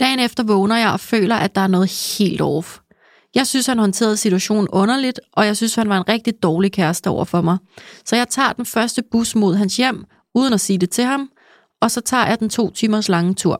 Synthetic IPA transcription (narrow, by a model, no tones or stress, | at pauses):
d̥ɛ̰ːnefd̥ɐʋɔ̽ːnɐjɑ̈ɪʔɒ̽fø̰ːlɐʔæd̥ɑ̈æɐnɔ̽ːð̞̩ˠhe̝̰ːld̥ɒ̰ːf | jɑ̈ɪsynshænɦɒ̽nt͡sʰe̝̰ːɐðˠsit͡sʰuæɕo̝̰ːn̩ʔɔ̽nɐlid̥ʔɒ̽jɑ̈ɪsynshænʋɑ̈e̝nʁɛɡ̥̚d̥id̥ɒːlikʰæɐsd̥əɒʊɐ̰fɒ̽mɑ̈ɪsɒ̽jɑ̈ɪt͡sʰɑ̰̈ːd̥enfɶɐsd̥əb̥usmo̝ð̞̰ˠɦænsjem̰ | uːð̞ˠən̩æsiːd̥e̝t͡sʰe̝ɦɑ̈m | ʔɒ̽sɒ̽t͡sʰɑ̰̈ːjɑ̈ɪd̥ent͡sʰo̝̰ːt͡sʰyːmɐslɑ̈ŋət͡sʰuɐ̰